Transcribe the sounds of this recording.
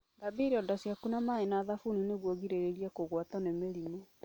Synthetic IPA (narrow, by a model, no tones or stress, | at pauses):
ɡabiɾɔdɔsjakunamaenaːðafunineɣwɔɣiɾeɾeɾiɛkoɣwatɔnemeɾino